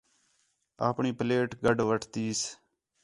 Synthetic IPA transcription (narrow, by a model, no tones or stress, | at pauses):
a̰ːpɳiːpəleːʈɡəɖʋəʈʰt̪iːs